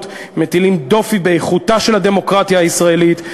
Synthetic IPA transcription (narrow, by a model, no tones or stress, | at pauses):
t | met̪ilimd̪o̞fibejeχutaʃe̞lad̪e̞mo̞kʁat̪jaːisʁae̞lit̪